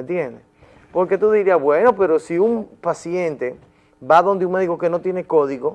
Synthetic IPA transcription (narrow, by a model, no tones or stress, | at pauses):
ent̪jene | po̞ɾket̪uðiɾiaβweno̞pe̞ɾo̞siumpasje̞nt̪e̞ | baðo̞nd̪euŋme̞ðiko̞ke̞no̞t̪jene̞ko̞ðiɣo̞